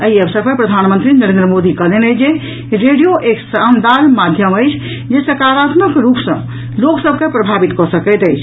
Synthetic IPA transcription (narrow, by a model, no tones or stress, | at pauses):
əiəbsəɾpəɾpɾəd̪ʱanmənt̪ɾinəɾẽnd̪ɾəmod̪ikəlenət͡ʃʰd͡ʒe | ɾeɖijoʔeksand̪almad̪ʱjəməjt͡ʃʰ | d͡ʒesəkaɾat̪nəkɾupsə̰̃ | loksəb̚ʱkepɾəbʱabit̪kɔsəkɛt̪əjt͡ʃʰ